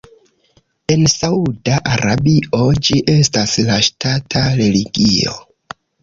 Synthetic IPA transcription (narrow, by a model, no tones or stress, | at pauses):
e̞nsaudaʔaɾabio̞d͡ʒiʔe̞staslaʃtatʰaɾe̞liɡio̰